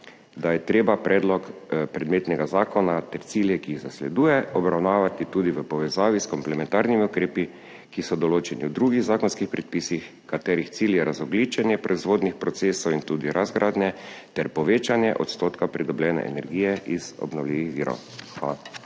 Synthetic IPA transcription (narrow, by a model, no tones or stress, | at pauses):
d̪ajɛt̪ɾeːbapɾɛːd̪lɔkpɾɛd̪meːt̪nɛɡazaːkɔnat̪ɛɾt̪siːljɛkiːɣzaslɛd̪uːjɛɔbɾawnaːʋat̪it̪ud̪iʋəpɔʋɛzaːʋiskɔmplɛmɛ̃nt̪aɾnimiukɾeːpi | kisɔd̪ɔloːt͡ʃɛnḭwd̪ɾuɡiɣzaːkɔnskixpɾɛt̪̚piːsix | kat̪ɛːɾixt̪siːljɛɾazɔɡliːt͡ʃɛnjɛpɾɔizʋoːd̪nixpɾɔt̪seːsowint̪ud̪iɾʔazɡɾʔaːd̪nɛt̪ɛɾpɔʋeːt͡ʃanjɛʔɔt̪st̪oːt̪kapɾid̪ɔblɛːnɛ̰ʔɛ̰nɛɾɡiːjɛʔiz̥ɔ̰bnɔwliʋixʋiːɾo̰w | xal